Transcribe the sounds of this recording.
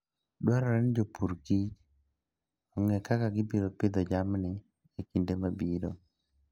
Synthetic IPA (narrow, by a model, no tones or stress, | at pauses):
dwaɾɔɾɛnd͡ʒopʰuɾkit͡ʃ | ɔŋɛkakaɡɪpiɾopɪd̪ɔd͡ʒamnɪ | ekindemabiɾo